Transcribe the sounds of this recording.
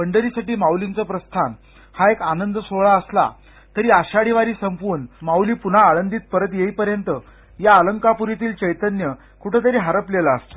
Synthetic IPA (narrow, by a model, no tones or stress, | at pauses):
əɳɖəɾiːsaʈiːmawlint͡səpɾəst̪ʰan | haekanənd̪əsoɭaəsla̰ | t̪əɾiːaɕaɽiʋaɾiːsəmpuːɾnmawliːpun̤aːɭənd̪iːt̪̚pəɾət̪jeipəɾjənt̪ə | jaːləŋkapuɾit̪iːlt͡ɕəjt̪ənjə | kuʈʰet̪̬əɾiːɦaɾəplelaəst̪o